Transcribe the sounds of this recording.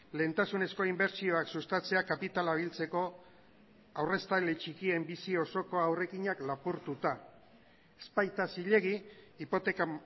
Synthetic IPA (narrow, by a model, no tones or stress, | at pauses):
le̞ːnt̪asune̞sko̞imbe̞ɾt͡sio̞aksust̪at͡se̞akapit̪alaβ̞ilt͡se̞ko̞ | awre̞st̪alet͡ʃikie̞mbisio̞so̞ko̞awre̞kiɲaklapuɾt̪ut̪a | espajt̪asiʎe̞ɣiːpo̞t̪e̞ka